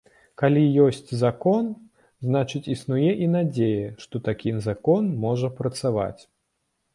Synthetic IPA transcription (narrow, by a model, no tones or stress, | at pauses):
kalʲijɔsʲt͡sʲzakɔn | znat͡ʂɨt͡sʲisnujɛʔinad͡zʲejɐʂt̪ɔt̪akʲizakɔnmɔʐɐpɾɐt̪sava̰t͡sʲ